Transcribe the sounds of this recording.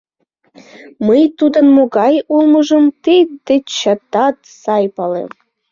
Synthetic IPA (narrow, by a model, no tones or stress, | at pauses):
məjt̪ud̪ɤ̆nmoɡɑjulˠmɤ̆ʒɤ̆mt̪ed̪ĕt͡ɕɑt̪ɑt̪sɑjpɑlḛm